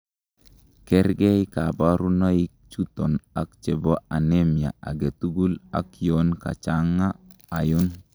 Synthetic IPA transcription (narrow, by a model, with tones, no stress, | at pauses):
kɛ˦ɾɡɛ˦i˦ka˨ba˦ɾu˦na˦i˦k̚t͡ʃu˦t̪ɔ˨na˨k̚t͡ʃɛ˨bɔ˦a˨ne˦mja̰˨a̰˨ɡe˨t̪u˦ɡu˦la̰˨kjonka̰˨t͡ʃa˦ŋaː˦˨ | jʊ˦n